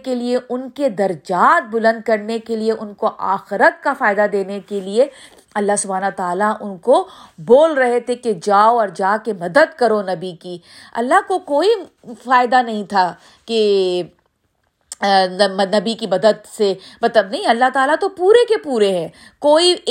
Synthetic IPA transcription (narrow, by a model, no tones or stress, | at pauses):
kelieʔʊnked̪ɐɾd͡ʒaːt̪̚bʊlə̃nd̪̚kɐɾnekelieʔʊnkoʔaːxɪɾət̪̚kafaːɪd̪ad̪eːnekelie | ɐlːaɦsʊbʱaːnɐt̪aːlaʔʊnkoboːlɾɐɦet̪ʰeked͡ʒaːoɔːɾd͡ʒaːkemɐd̪əd̪kɐɾonɐbikiɐ̰lːaɦkokoːi | faːɪd̪anɐɦĩt̪ʰa | ke | nmɐnɐbikimɐd̪əd̪semɐt̪ləbnɐɦĩɐlːaɦt̪aːlat̪opuːɾekepuːɾeɦɛ̃ː | koːi